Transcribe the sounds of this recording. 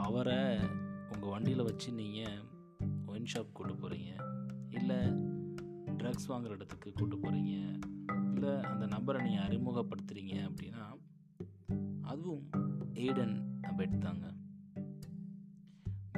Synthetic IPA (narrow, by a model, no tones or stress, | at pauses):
ɐʋɐɾɐ | ʊŋɡɐʋɐɳɖɪjɪlʋɐt͡ʃːɯniːŋɡɐ | ɔɪnʃaːp̚kuːʈːɯpːoːɾḭːŋɡɐɪlːɐ | ɖɾɐɡsʋaːŋɡɪɾɐɪɽɐt̪ːɯkːɯkuːʈːɯpːoːɾiːŋɡɐɪlːɐɐ̰nd̪ɐnɐmbɐɾɐniːŋɡɐɐɾɪmuɣɐpːɐɽɯt̪ːɯɾiːŋɡɐɐpːɐɽɪnːaː | ɐðɯʋɯ̃meːɽɐnɐmbɐɪʈːɯt̪ːaːŋɡɐ